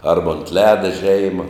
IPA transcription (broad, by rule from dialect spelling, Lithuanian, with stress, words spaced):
ˈɐrbɐ ʊnt ˈlʲæːdɐ ˈʒʲɛɪmɐ